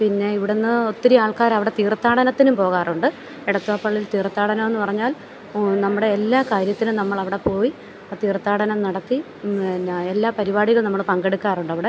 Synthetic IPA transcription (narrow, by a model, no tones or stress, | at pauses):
pinːe̞iʋiɽenːɨot̪ːiɾiaːɭkaːɾɐʋiɽe̞t̪iːrt̪ːaːɽɐnɐt̪ːinumpo̞ːɣaːruɳɖɨ | eɽɐt̪ːuʋaːpːɐɭːilt̪iːrt̪ːaːɽɐnɐme̞nːɨpɐrɐɲːaːl | nɐmːuɽe̞ːlːaːkaːɾjɐt̪ːinɨnɐmːɐɭɐʋiɽe̞po̞ːji | aːt̪iːrt̪ːaːɽɐnɐmnɐɽɐt̪ːi | elːaːpɐɾibaːɽiɣɐɭnɐmːɐɭpɐŋɡe̞ɽukːaːruɳɖɐʋiɽe̞